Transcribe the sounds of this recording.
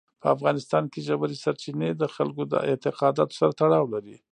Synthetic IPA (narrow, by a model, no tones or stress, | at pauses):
pəafɣɑnɪst̪ɑnkeʒabaɾisaɾt͡ʃined̪əxalkod̪ə̰ʔɪt̪ɪqɑd̪ɑt̪o̥saɾat̪aɽɑwlaɾi